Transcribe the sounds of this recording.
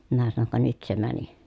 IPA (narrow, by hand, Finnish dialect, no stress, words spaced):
minæ sɑnoŋ kɑ nyt se mæni